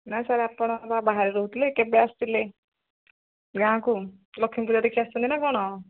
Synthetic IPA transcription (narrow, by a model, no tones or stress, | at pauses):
najsaɾeapɔɽ̃ɔbabaɦaɾiɾɔɦut̪ilekebeast̪ile | ɡãkulɔkʰːimpud͡ʒad̪ekʰiast̪ɔnt̪inakɔɽ̃ɔ